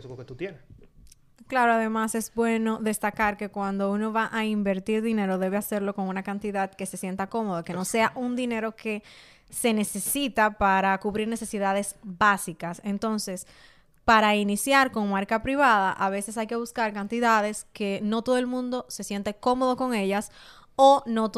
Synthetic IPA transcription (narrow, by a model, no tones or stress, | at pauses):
koket̪ut̪jene | klaɾoaðe̞mase̞zbwe̞no̞ðe̞st̪akaɾke̞kwand̪o̞uno̞βaʔaimbe̞ɾt̪iɾðine̞ɾo̞ðe̞βe̞ase̞ɾlo̞ko̞ŋunakant̪iðaðke̞se̞sje̞nt̪ako̞mo̞ðoke̞no̞se̞aʔund̪ine̞ɾo̞ke̞ | se̞ne̞se̞sit̪apaɾakuβɾiɾne̞se̞siðaðe̞sbasikase̞nt̪o̞nse̞s | paɾainisjaɾko̞ŋmaɾkapɾiβaðaʔaβe̞se̞sajke̞β̞uskaɾkant̪iðaðe̞ske̞no̞t̪o̞ðoelmũnd̪o̞se̞sje̞nt̪e̞ko̞mo̞ðo̞ko̞ŋe̞ʝas | onot